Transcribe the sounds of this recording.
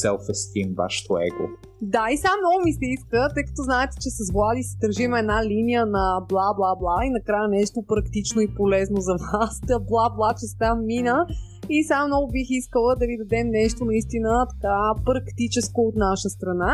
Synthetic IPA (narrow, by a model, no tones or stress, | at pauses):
sɛlˠfəst̪imva̰ʃɛ̥t̪oɛ̰ɡo̰ | d̪aisamnɔɡʊmisɛiskət̪ɤjkɐ̥t̪ɔznaɛt̪ɛ̥t͡ʃɛsɐzvlˠad̪isɛd̪əɾʒimɛɛd̪nalinijənɐblˠablˠablˠainɐkɾajənɛʃt̪opɾɐkt̪it͡ʃnoipolɛznozɐvasəblˠablˠat͡ʃɛst̪amːinə | isamnɔɡʊbixiskəlˠəd̪ɐvid̪ɐd̪ɛmnɛʃt̪onɐist̪inət̪ɐ̥kapɾɐkt̪it͡ʃɛskoːt̪naʃəst̪ɾɐna